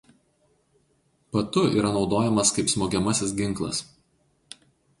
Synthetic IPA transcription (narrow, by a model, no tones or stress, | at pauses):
pɐt̪ʊḭːɾɐnɒʊd̪oːjɛmɐskɐɪpsmoːɡʲɛmɐsʲɪs̬ɡʲɪŋˑklˠɐ̰s